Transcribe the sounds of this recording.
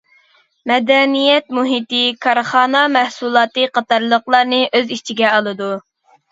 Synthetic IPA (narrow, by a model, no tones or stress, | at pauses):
mɛd̪ɛnijɛt̪muɦit̪ɪkʰɑɾχɑːnɑmæhsulˠɑːt̪ɨqʰɑt̪ɑɾlˠəqlˠɑɾnɨʔøzit͡ʃʰiɡʲɛɑlˠɨd̪u